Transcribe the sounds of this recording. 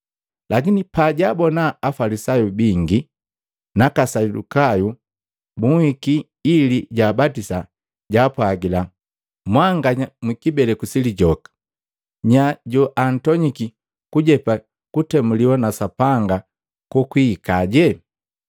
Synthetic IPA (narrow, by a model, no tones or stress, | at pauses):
lakinipaɟabɔnaːfalisajubiŋɡi | nakasadṵkaju | buŋhikiː | liɟaːbatisa | ɟaːpwaɡila | mwaŋɡaɲamikibɛlɛkusiliɟɔkḁ | ɲaɟuʔan̩tɔɲiki | kuɟɛpa | kutɛmuliwanasapaŋɡa | kɔkwiːkaɟɛ